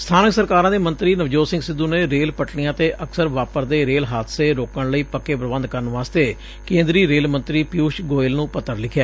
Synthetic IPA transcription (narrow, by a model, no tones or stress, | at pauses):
st̪ʰaːnəksəɾkaːɾãːd̪eːmə̃nt̪ɾiːnəʋd͡ʒoːsɪŋɡsɪd̪ːuːneːɾeːlpəʈɳijãːt̪eːʔəksəɾʋaːpəɾd̪eːɾeːlɦaːd̪seːɾoːkəɳləiːpəkːeːpɾəʋə̃nd̪kəɾənʋaːst̪eː | kẽːnd̪ɾiːɾeːlmə̃nt̪ɾiːpjuːʃɡoːɪlnũːpət̪ːəɾlɪkʰjɛː